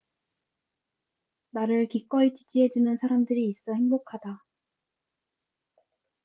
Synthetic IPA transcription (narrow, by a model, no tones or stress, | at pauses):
naɾɯɭkik͈ʌit͡ɕid͡ʑiɦe̞d͡ʑunɯnsʰaɾamdɯɾiːs͈ʌheŋbokʰada